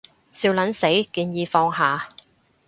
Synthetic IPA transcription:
siː˧wlɐ˨˥nse˨˥jkiː˧njiː˧fɔː˧ŋɦaː˨

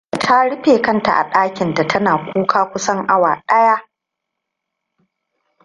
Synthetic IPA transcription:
tʰa˦ɽɪ˦ɸeː˨kɐ˦nta̰˨ʔa̰˨ɗaː˦kʲɪ˨nta˨tʰɐ˦naː˨kʷuː˦kʰaː˦kʷʊ˦sɐ˦ŋʔa˦waː˨ɗɐ˦ja˦

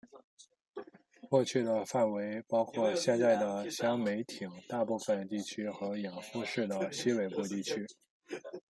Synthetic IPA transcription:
kwɔ˥˧t͡ɕʰy˥˩d̪ə˩fa˥˩nwe˧˥ɪpɑ˥ʊkʰwɔ˥˧ɕjɛ˥˧nt͡sa˥˩ɪd̪ə˩ɕjɑ˥ŋme˧˥ɪt̪ʰi˨˩ŋt̪a˥˧pu˥˩fə˩nt̪i˥˩t͡ɕʰy˥xɤ˧˥jɑ˨˩ŋfu˥˧ʂɻ̩˥˩d̪ə˩ɕi˥we˨˩ɪpu˥˧t̪i˥˩t͡ɕʰy˥

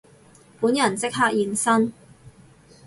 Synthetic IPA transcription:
puː˨˥njɐ˨˩nt͡sɪ˥k̚ɦaː˥k̚jiː˨˧nsɐ˥n

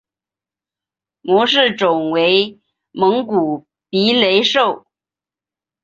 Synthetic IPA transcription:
mwɔ˧˥ʂ̬ɻ̩˥˩ʈ͡ʂʊ˨˩ŋwe˧˥ɪ | mɤ˧˥ŋku˨˩ | pi˧˥le˧˥ɪʂo˥˩ʊ

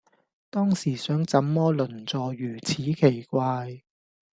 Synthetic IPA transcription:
t̪ɔː˥ŋsiː˨˩sœː˨˥ŋt͡sɐ˨˥mːɔː˥lɵ˨˩nt͡sɔː˨˧jyː˨˩t͡sʰiː˨˥kʰe˨˩jkʷaː˧j

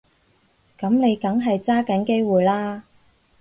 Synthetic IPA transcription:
kɐ˨˥mne˨˧jkɐ˨˥ŋɦɐ˨jt͡saː˥kɐ˨˥nke˥jwuː˨jlaː˥

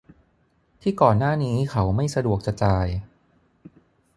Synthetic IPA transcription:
t̪ʰiː˥˩kɔː˨˩nːaː˥˩niː˦˥xʰa˦˥wma˥˩jsa˧du˨˩ək̚t͡ɕa˨˩t͡ɕaː˧j

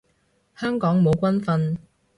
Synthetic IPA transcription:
hœː˥ŋkɔː˨˥ŋmo˨˧wkʷɐ˥nfɐ˧n

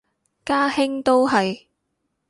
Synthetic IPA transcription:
kaː˥hɪ˥ŋt̪o˥wɦɐ˨j

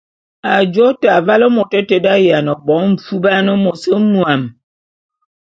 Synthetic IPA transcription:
a˨d͡ʒo˦ta˨va˦lə˦mo˨tə˦te˦da˦ja˨nə˨bɔ˨˦ɱ̩˨fu˦ba˦nə˦mo˨sə˦mwa˨m

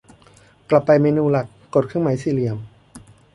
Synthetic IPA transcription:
kla˨˩pːa˧jmeː˧nuː˧la˨˩kːo˨˩t̪̚kʰɯ˥˨ŋmaː˩˦jsiː˧˩li˧˩əm

